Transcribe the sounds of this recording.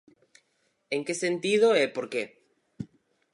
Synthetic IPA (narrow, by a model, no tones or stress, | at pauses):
eŋkesent̪iðoepoɾke